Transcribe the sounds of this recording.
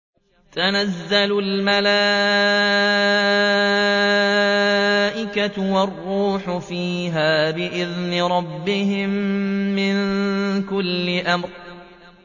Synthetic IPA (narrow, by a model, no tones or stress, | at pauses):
t̪anazːalʊlmala | ʔɪkat̪ʊwɑrːuːħʊfiːɦaːbɪʔɪðnɪɾˤɑbːɪhɪmːɪnkʊlːɪʔamɾ